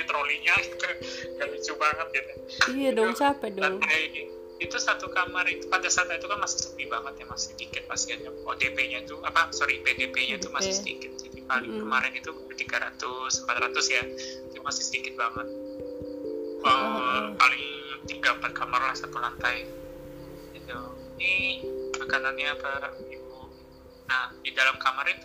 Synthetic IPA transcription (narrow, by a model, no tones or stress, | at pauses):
it̪ɾoliɲaiuɡalit͡ʃubaŋət̪̚ɡat̪ʊ | ijadɔŋt͡ʃapɛdɔlaŋaainɪ | it̪usat̪ukamarit̪upant̪ajsant̪ait̪ukanmasɪ̥hsəpibaŋət̪̚jamasɪ̥hdikɪt̪̚pasianɲaodepeɲat̪uapasoɾipedepeɲait̪umasɪhsədḭkɪt̪̚d͡ʒadipalɪŋkəmaɾɪnit̪u | t̪iɡaɾat̪ʊsəmpat̪ɾat̪ʊsjait̪umasɪhsədikɪt̪̚baŋət̪̚ | əpalɪŋt̪iɡampat̪̚kʰamarlahsat̪ulant̪aj | ɡit̪uniakananɲaapaibu | nahdidalamkamaɾit̪u